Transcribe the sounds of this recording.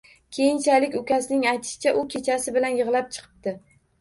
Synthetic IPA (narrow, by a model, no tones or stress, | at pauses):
kʲʰe̞jɪnt͡ʃʰalɪkʲʊkʲʰasɪnɪŋajt̪ʰɪ̥ʃɪ̥t͡ʃʰaʔʊkʲʰe̞t͡ʃʰasɪbɪlanjɨʁlˠap̚t͡ʃʰɨ̥qʰɨ̥p̚d̪ɪ